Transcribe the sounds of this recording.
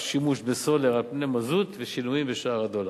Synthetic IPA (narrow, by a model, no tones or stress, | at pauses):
ʃimuʃbeso̞leʁalpnemazut̪veʃinuimbeʃaaʁad̪ola